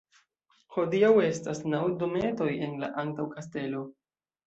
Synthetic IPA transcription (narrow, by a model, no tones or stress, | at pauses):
ho̞diawe̞stasnawdo̞me̞to̞je̞nla̰ʔantawkaste̞lo̞